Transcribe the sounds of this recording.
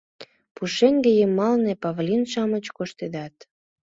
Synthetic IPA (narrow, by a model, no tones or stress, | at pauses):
puʃeŋɡejəmːɑlnepɑvlʲinʃɑmət͡ɕkoʃt̪ed̪ɑt̪